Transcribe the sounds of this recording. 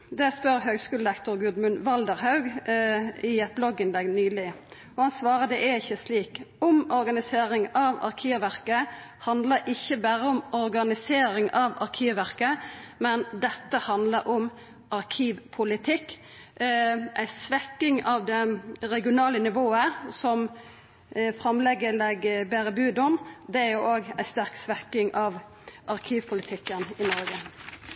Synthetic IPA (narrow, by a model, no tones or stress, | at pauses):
d̪ɛspœɾɦøːɡskʉːl̩d̪ɛkt̪ʊɾɡʉd̪mʉnʋɑld̪əɾhɑʉɡ | ɪɛt̪̚blɔɡɪnlɛɡnyːlɪ | ɔhɑnsʋɑːɾəd̪ɛʔæɾɪçːəsliːkɔmɔɾɡɑnɪseːɾɪŋɑʋɑ̰ʁkʰiːʋʋæɾkə | hɑnd̪ləɾʔɪçːəbæɾəɔmɔɾɡɑnɪseːɾɪŋɑʋɑ̰ɾkʰiːʋʋæʁkəmɛnd̪ɛt̪ːəhɑnd̪ləɾʔɔm | ʔɑɾkʰiːʋpʰʊlɪt̪ʰɪkː | ʔæɪsʋɛkɪŋɑʋd̪ɛɾɛɡɪʊnɑːlənɪʋoːəsɔm | fʁɑmlɛɡːəlɛɡəbæɾəbʉːd̪ɔmd̪ɛæɾjʊʔoːɡæɪst̪æɾksʋɛkɪŋʔɑʋ | ʔɑʁkʰiːʋpʰʊlɪt̪ʰɪkːənɪnɔɾɡə